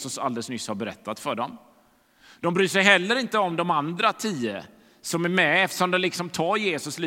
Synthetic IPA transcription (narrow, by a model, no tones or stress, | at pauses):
sɵsa̰ld̪ɛləsnʏsːhaɾbɛɾɛ̰t̪ʰːat̪fœɖɔm | d̪̥ɔmbɾyːʂɛjɦɛlːəɾɪnt̪əɔmd̪ɔmand̪ɾat̪ʰiːə̰ | sɔmæɾmɛɛft̪ə̥ʂɔmd̪ɔmlɪksɔmt̪ʰɑːɾjeːsɵsliː